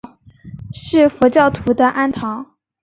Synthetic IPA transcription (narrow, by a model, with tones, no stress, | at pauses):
ʂɻ̩˥˩fɔ˧˥t͡ɕjɑ˥˩ʊt̪ʰu˧˥d̪ə˧ʔa˥nt̪ʰɑ˧˥ŋ